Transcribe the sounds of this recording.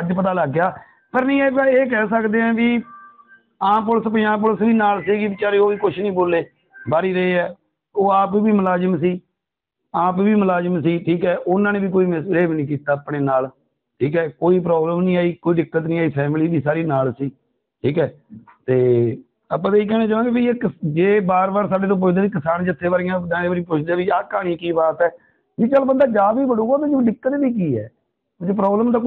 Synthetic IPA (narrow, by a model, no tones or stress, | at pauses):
d͡ʒpət̪̬aːləɡːjaː | pəɾnĩːɛːkːeːk̬ɛːsəkd̪eːɛ̃ːʋiː | ãːp̬ʊlspɪjãːp̬ʊlsʋiːnaːlsiːɡiːbɪt͡ʃaːɾeːoːʋiːkʊt͡ʃʰnĩːboːleː | baːɾiːɾəeːɛː | oːaːpːʋiːməlaːd͡ʒəmsiː | aːpʋiːməlaːd͡ʒəmsiːʈʰiːkɛːʔʊnãːnẽːbiːkoːiːmɪsɾeːbnĩːk̬iːt̪aːpɽeːnaːl | ʈʰiːkɛːkoːiːp̬ɾɔːbləmnĩːaːiːkoːiːɖɪkːət̪nĩːaːiːpʰɛːmɪliːbiːsaːɾiːnaːlsiː | ʈʰiːkɛː | t̪eː | əpːãːt̪eiːkɛːñẽːt͡ʃaːʋãːɡeːbiːeːkɪd͡ʒeːbaːɾbaːɾsaːɖeːt̪õːpʊt͡ʃʰd̪aːʋiːkɪsaːnd͡ʒɪt̪ʰːeːʋaːɾɪjãːd̪ãːeːbəːɾĩːpʊt͡ʃʰd̪aːʋiːaːkaːɽ̃iːkiːbaːt̪ɛː | biːt͡ʃəlbənd̪aːd͡ʒaːbiːbəɽuːɡaːbid͡ʒiɖɪkːət̪biːk̬iːɛ̰ː | d͡ʒepɾɔːbləmt̪aː